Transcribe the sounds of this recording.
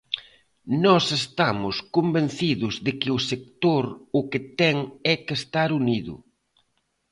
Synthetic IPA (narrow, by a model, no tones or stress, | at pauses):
nɔsest̪amʊskombenθiðʊzðɪkɪʊsek̚t̪oɾʊkɪt̪ɛŋɛkest̪aɾuniðʊ̰